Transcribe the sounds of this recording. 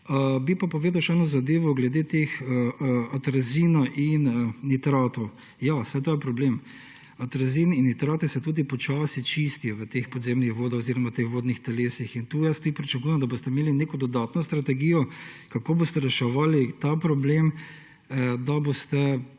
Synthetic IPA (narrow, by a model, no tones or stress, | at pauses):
əbipapoʋeːd̪awʃɛɛnɔzad̪eːʋɔɡlɛd̪eːt̪exəat̪ɾazinaʔinit̪ɾaːt̪ɔ | jasɛjt̪oːjɛpɾɔbleːm | at̪ɾaziːninit̪ɾaːt̪ɛsɛt̪uːd̪ipɔt͡ʃaːsit͡ʃist̪ijɔʋət̪expɔd̪zemnixʋoːd̪oziɾɔmat̪exʋoːd̪nixt̪ɛleːsixint̪uːjɛst̪ud̪ipɾit͡ʃɐkujɛmd̪ɐbost̪ɛmeːlineːkɔd̪ɔd̪aːt̪nɔst̪ɾat̪ɛɡiːjɔkakoːbost̪ɛɾɛʃɛʋaːlit̪apɾɔblem | d̪abost̪ɛ